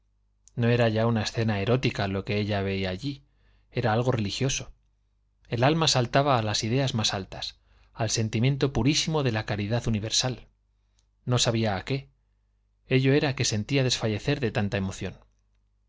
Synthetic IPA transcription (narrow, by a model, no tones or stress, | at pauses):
no̞e̞ɾaʝaunae̞sθe̞nae̞ɾo̞t̪ikalo̞ke̞eʎaβe̞iaːʎi | e̞ɾaalɣ̞o̞re̞lixjo̞so̞ | e̞lalmasalt̪aβ̞aːlasið̞e̞azmasalt̪as | alse̞nt̪imje̞nt̪̬o̞puɾisimo̞ðe̞lakaɾiðaθðuniβ̞e̞ɾsal | no̞saβ̞iaːke̞ | e̞ʎo̞e̞ɾake̞se̞nt̪iaðe̞sfaʎe̞θe̞ɾðe̞t̪ant̪ae̞mo̞θjo̞̰n